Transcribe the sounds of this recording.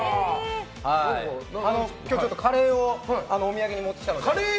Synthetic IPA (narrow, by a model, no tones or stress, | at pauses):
haanokʲjoːt͡ɕo̞t̪ːokʰaɾe̞ːoano̞ːmʲijaɡeɲ̟imot̪ːi̥it̪ank̪ɾe